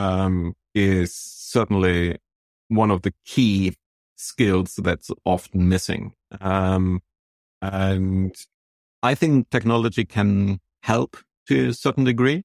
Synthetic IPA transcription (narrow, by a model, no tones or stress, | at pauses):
ʌ̃m | ɪz̥sɜ˞ʔn̩li | wʌ̃nʌvðɨkʰi | skɪlˠz̥ðɨtsʔɑfn̩mɪsɪ̰̃ŋʔʌ̃m | ɨ̃n | aɪθɪ̃ŋk̚tʰɛk̚nɑlˠəd͡ʒikʰɨ̃n | hɛlˠp | tʰɨɨsɜ˞ʔn̩dɨɡɹi